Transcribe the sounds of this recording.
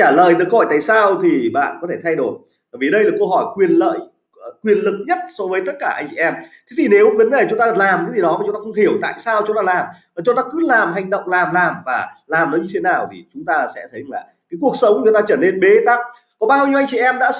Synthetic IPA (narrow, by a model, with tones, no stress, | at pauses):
aː˧˩lə̰ː˧˨jt̪ɨ˨˩kːɔ˧˩jt̪a̰ː˧˨jsaː˧wt̪ʰi˨˩ɓa̰ː˧˨nkɔ˨˦t̪ʰe˧˩t̪ʰa˧jɗo˧˩j | ɓəː˧˩vi˨˩ɗə˧jlaː˨˩kə˧ɦɔ˧˩jkwi˨˩ənlə̰ː˧˨j | kwi˨˩ənlɨ˨˩k̚ɲə˦˥t̚sɔ˨˧˦vəː˨˦t̪ə˦˥t̚kaː˧˩ʔa˧jt͡ɕḭ˧ʔɛ˧mt̪ʰe˨˦t̪ʰi˨˩ne˨˦wvə˨˦nɗe˨˩t͡ɕʊ˨˦ŋ͡mt̪aː˧laː˨˩mt̪i˨˦t̪i˨˩nɔ˨˦ma˨˩t͡ɕʊ˨˦ŋ͡mt̪aː˧xə˧wŋ͡mɦi˧˩əwt̪a̰ː˧˨jsaː˧wt͡ɕʊ˨˦ŋ͡mt̪aː˧laː˨˩m | əː˨˩t͡ɕʊ˨˦ŋ͡mt̪aː˧kɨ˨˦laː˨˩mɦa˨˩jŋ̟ɗə̰˧˨wŋ͡mlaː˨˩mlaː˨˩mvaː˨˩laː˨˩mnɔ˨˦ɲɨ˧e˨˦naː˨˩wt̪ʰḭ˨˩t͡ɕʊ˨˦ŋ͡mt̪aː˧sɛ̰˧˥t̪ʰə˨˦jlaː˨˩kaː˨˦jku˨˩ək̚sə˨˦wŋ͡mt͡ɕu˨˦t̪aː˧t͡ɕəː˧˩ne˧nɓe˨˦t̪a˦˥k̚ | kɔ˨˦ɓaː˧wɲi˧ʔa˧jŋt͡ɕḭ˧ʔɛ˧mɗa̰ː˧˥